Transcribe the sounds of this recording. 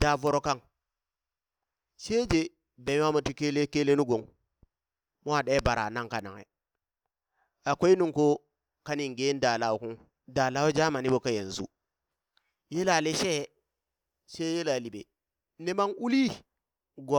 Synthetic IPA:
d̥a˨vo˨ɾo˨ka˦ŋ | ʃe˦d͡ʒe˨ | be˨˦a˦mu˨ti˦ke˦le˦ke˦le˦nu˦ɡo˨ŋ | mo˦a˨ɗe˦ba˨ɾa̰˨na˦ŋka˨na̰˨ŋḛ˨ | a˨ko˦i˦nu˦ŋko˦ | ka˦ni˨ŋɡe˦n˦da˨la˨wu˦˨ku˦ŋ | da˨la˦wo˦d͡ʒa˦ma˨ni˦bo˨ka˦je˨n˨zṵ˦ | je˦la˨le˦ʃe˦˨˦ | ʃe˦je˦la˨li˨bḛ˨ | ne˨ma˦ŋu˦li˦ | ɡo˨

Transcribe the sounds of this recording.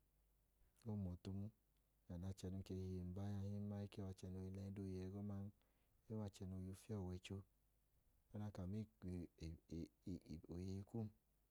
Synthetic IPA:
o˦˨mɔ˨tu˧mu˦ | ja˨na˧˨t͡ʃɛ˧nu˧˦t͡ʃe˧hi˧je˨m̩˨ba˦ja˧hi˦ma˧˦i˦kɛ˦wa˧t͡ʃɛ˧no˧ji˧lɛ˧˦do˦˨ji˧ɛ˧ɡɔ˦ma˦n˦ | e˦wa˧t͡ʃɛ˧no˧jo˧fi˦ɔ˦˨wɛ˧˦t͡ʃo˧ | ɔ˦na˧ka˨mi˦˨ | o˨je˧i˧ku˦m˦

